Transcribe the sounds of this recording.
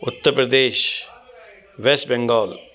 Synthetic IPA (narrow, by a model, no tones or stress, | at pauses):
ʊt̪ːəɾpɾɐd̪eːʃ | ʋesʈbeŋɡɔːl